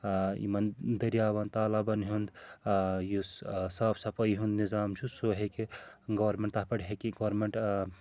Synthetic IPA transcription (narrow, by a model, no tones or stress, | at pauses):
ḭmɐnd̪ɐɾijaːbɐnt̪aːlabɐnɦund̪ | jusaːbʰsɐpʰɐjɦũnd̪nizaːmt͡ʃʰusoɦekeɡɐʋɐɾmeɳʈt̪apɐɽɦekiɡɐʋɾmeɳʈ